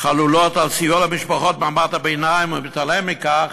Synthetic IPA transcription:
χalulot̪alsijolamiʃpaχot̪̚mamaʁt̪abejnajimumɪt̪alemːikaχ

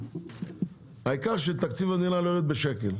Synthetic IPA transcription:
haikaʁʃ̬et̪akt͡sivanilaloeʁet̪̚beʃekel

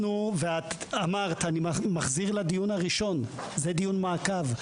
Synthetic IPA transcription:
nuveat̪amaʁt̪animamaχziʁlad̪ijunaʁiʃo̞n | zed̪ijunmaːkav

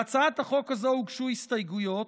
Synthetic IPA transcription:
at͡saat̪aχo̞kazouɡʃuhist̪ajɡujo̞t

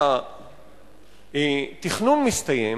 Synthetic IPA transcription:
t̪iχnunmist̪aje

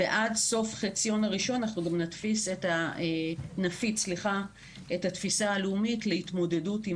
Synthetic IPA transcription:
eʔadso̞fχet͡sijo̞naʁiʃo̞nanaχnuɡamnatfiseta | nafitsliχa | ethatfisaːleumitleitmo̞deduti

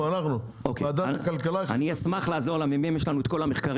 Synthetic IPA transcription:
anaχnu | okːd̪akalkalaa̰niasmaχlaːzo̞ʁlamemimjeʃlanuet̪ko̞lameχkaʁ

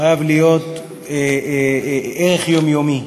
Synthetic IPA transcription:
ajavlijo̞t̪ | eʁeχjomjomi

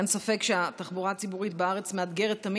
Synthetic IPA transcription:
nsofe̞kʃeat̪aχbuʁat͡sibuʁit̪beaʁe̞t͡smead̪ɡe̞ʁet̪ːɐmi

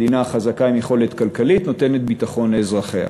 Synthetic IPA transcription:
dinaːχazakaimjeχo̞le̞t̪kalkalitno̞t̪e̞net̪̚bit̪aχo̞nezʁaχea̰

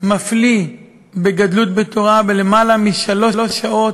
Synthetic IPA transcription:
mafli | beɡadlut̪̚bet̪ʰo̞ʁabelemalamiʃalo̞lo̞ʃao̞t

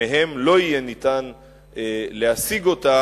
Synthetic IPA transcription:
eɦe̞mlo̞ijenit̪an | leasiɡo̞ta

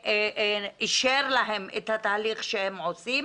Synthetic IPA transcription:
iʃeɾlaɦemḛt̪hat̪aːliχʃehemʕosim

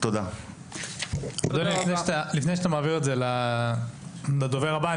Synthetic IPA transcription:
t̪od̪a | ad̪ulilifnejʃat̪alifnejʃat̪amaːviʁetzela | lad̪oveʁaba

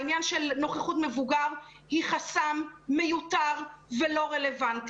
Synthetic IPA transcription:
injanʃelno̞χeχutmevuɡaʁ | hiχasamːejutaʁvelo̞ʁe̞le̞vanti

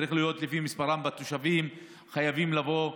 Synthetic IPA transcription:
ɾiχlijo̞t̪lifimispaʁambat̪oʃavim | χajavimlavo̞

